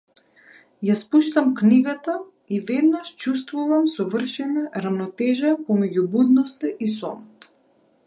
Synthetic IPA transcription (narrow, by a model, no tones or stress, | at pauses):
jaspuʃt̪amkniɡat̪a | ivɛd̪naʃt͡ʃust̪vuvamsɔvər̩ʃɛnaɾavnɔt̪ɛʒapɔmɛɟubud̪nɔst̪aʔisɔmɔt̪